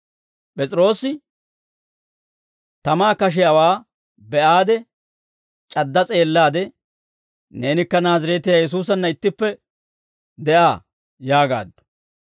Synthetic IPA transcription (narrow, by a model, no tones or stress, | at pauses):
pʼɛt͡sʼɪɾo̞ːsːɪ | t̪ɐmaːkɐʃ̬ɛjawaː | bɛʔaːd̪ɛ | t͡ʃʼɐd̪ːɐt͡sʼe̞ːlːaːd̪ɛ | ne̞ːnɪkːɐnaːzɐɾeːt̪ɪjaːjɛs̬uːs̬ɐnːɐɪt̪ːɪpːɛ | d̪ɛʔaː | jaːɡa̰ːd̪ːɔ̥